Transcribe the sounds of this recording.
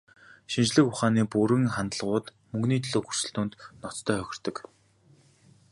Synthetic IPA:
ʃint͡ɕɮɘ̆kʊχaːniːpuɾɘ̆ŋχant̪ə̆ɮʁʊːt̪ | mɵŋɡniːt̪ʰɮoːxu̥r̥sɘ̆ɬt̪ʊːnt̪nɔt͡st̪ʰœːχœxʲɪ̆r̥t̪ɞ̆k

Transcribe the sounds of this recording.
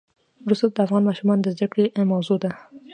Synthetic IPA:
wɾust̪oad̪əafɣɑnmɑʃumɑnd̪əzd̪akɽemawzod̪a

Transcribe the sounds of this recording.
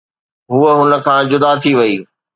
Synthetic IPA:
ɦuəɦʊnə̆kʰãːd͡ʑʊd̪at̪ʰiʋɐiː

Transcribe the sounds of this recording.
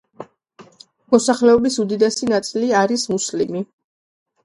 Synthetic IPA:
mɔsaχlɛɔbisud̪id̪ɛsinat̪sʼiliaɾismuslimi

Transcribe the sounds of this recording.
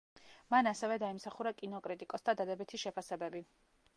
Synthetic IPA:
manasɛvɛd̪aimsaχuɾakʼinɔkʼɾit̪ʼikʼɔsd̪ad̪ad̪ɛbit̪ʰiʃɛpʰasɛbɛbi

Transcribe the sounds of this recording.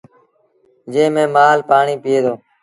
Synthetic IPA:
d͡ʒẽːmẽːmaːlpaːɳiːpɪeːd̪oː

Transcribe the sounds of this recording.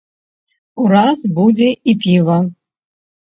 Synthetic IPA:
uɾazbudʲeʔipʰʲivɐ

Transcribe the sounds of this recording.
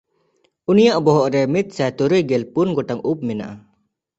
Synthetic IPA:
unijaʔbɔɦɔʔɾɛmit̪̚sajt̪uɾujɡɛlpunɡɔʈaŋup̚mina̰ʔa

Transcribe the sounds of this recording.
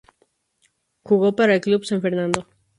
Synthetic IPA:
xuɣo̞paɾaelklubsãɱfeɾnãnd̪o

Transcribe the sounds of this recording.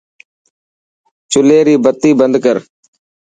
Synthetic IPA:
t͡ʃʊleːɾiːbət̪ːiːbənd̪kəɾ

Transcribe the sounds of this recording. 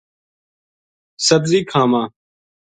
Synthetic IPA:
sət̪ziːkʰaːmãː

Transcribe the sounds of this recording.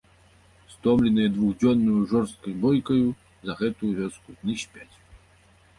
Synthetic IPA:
st̪ɔmlʲɪnɨjɛd̪vuɣd͡zʲɔnːujuʐɔrst̪̚kɐzʲbɔjkɐju | zɐɣɛt̪ujuvʲɔskud̪nɨɕʲpʲat͡sʲ

